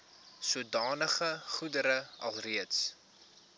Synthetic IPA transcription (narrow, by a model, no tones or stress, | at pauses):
suədɑːnəχəχudəɾəɐ̰lˠriəts